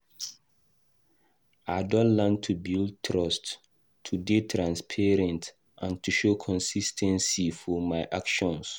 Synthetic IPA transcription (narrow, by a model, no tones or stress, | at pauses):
adɔ̃nlɛ̃ntʰubild̚tʰɹɔstʰː | udetʰɹãnspʰɛɹɛ̃nt | ʔãntʰuʃokʰɔ̃nsistʰɛ̃nsifɔmaɪʔakʃɔ̃ns